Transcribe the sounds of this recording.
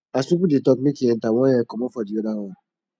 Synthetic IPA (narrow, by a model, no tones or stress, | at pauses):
asupuditɔkikiɛn̩tawɔ̃jɛkɔmɔfɔdiodawa